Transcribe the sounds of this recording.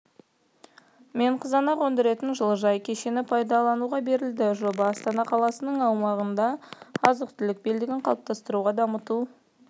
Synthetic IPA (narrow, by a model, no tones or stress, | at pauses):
me̞ɴqʰəzɑnɑqwɵnd̪ɪɾe̞t̪ɪnʒəlˠəʒɑjkʲʰe̞ʃe̞nɪpʰɑjd̪ɑlˠɑnuʁɑbe̞ɾɪld̪ɪʒo̞bɑːst̪ɑnɑqʰɑlˠɑsənəɴɑwmɑʁənd̪ɑɑzəq̚t̪ɪlɪk̚be̞ld̪ɪɡʲɪɴqʰɑlˠəp̚t̪ɑst̪əɾuʁɑd̪ɑmət̪u